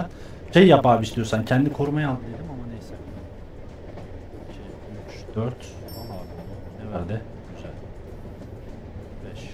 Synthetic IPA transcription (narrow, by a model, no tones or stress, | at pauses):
æn | ʃejːapaːbist̪ijosancʰɛnd̪ikʰo̞ɾumajalˠd̪ɯd̪e̞d̪imamanejsɛbd̪i | ʃej | yt͡ʃ | d̪̥øɾt̪ | alˠaːud̪u | nɛvæɾd̪ɪ | d̪yzælʲ | bɛʃ